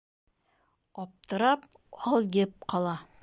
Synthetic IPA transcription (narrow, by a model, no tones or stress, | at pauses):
ɒp̚t̪ɤ̆ɾɑp̚ | ɒlˠjɘp̚qɑlˠɑ